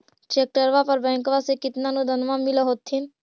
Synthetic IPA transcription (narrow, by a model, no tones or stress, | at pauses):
t͡ʃeːk̚ʈəɾʋapəɾbɛ̃ːŋkʋasekɪt̪nanũd̪ʱənʋãmɪlaɦoːt̪ːɪn